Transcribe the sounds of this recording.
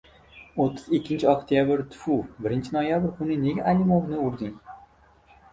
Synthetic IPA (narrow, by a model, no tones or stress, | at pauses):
ot̪ʰːɪzɪkʲːɪnt͡ʃʰɪokt̪ʰijabɪɾt̪ʰʊ̥fubɪɾɪnt͡ʃʰɪnojabɪɾkʰʊnɪne̞ɡʲaʔalʲimovnɪʊɾd̪ɪŋ